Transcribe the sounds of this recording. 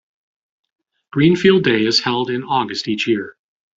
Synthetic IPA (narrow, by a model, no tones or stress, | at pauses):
ɡ̥ɹĩnfilˠdeɪɨz̥hɛlˠdɨ̃nɔɡɨstit͡ʃjɪɹ